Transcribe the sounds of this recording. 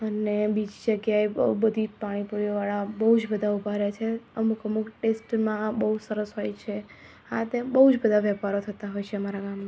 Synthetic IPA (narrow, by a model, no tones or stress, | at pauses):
ənebid͡ʒid͡ʒəɡjaeəubəd̪ʱipaɽ̃ipuɾjoʋaɭabəɦud͡ʒbəd̪ʱaubʱaɾjat͡ʃʰeəmukəmukʈesʈmãbəɦusəɾəsɦojt͡ʃʰe | a̰t̪ebəɦud͡ʒbəd̪ʱaʋjəpaɾot̪ʰət̪aɦojt͡ʃʰeəmaɾaɡamna